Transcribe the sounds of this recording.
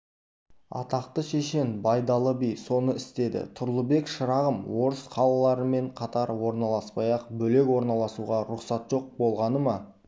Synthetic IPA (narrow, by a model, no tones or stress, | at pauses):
ɑ̰t̪ɑqt̪əʃe̞ʃe̞nbɑjd̪ɑlˠəbijso̞nəɪst̪e̞d̪ɪ̰t̪ʰʊɾlˠəbe̞kʃəɾɑʁəmwo̞ɾəsqʰɑw̪ˠɑlˠɑɾəme̞ɴqʰɑt̪ɑɾwo̞ɾnɑlˠɑspɑjɑqbɵle̞kwo̞ɾnɑlˠɑsuʁɑɾʊqsɑt̪ʒ̥o̞q̚bo̞lˠʁɑnəmɑ